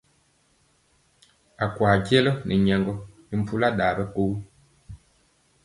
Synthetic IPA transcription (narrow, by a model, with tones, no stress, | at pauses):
a˨kwaː˨kɛ˦lɔ˦nʔi˨ɲɛ˨ŋɡɔ˨ni˨m̩˨pu˦la˦ɗaː˨bɛ˦ko˦u˦